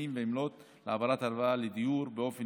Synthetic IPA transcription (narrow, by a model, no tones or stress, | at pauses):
imveimlo̞t̪ | leavaɾat̪aɾvaled̪ijuɾbeo̞fen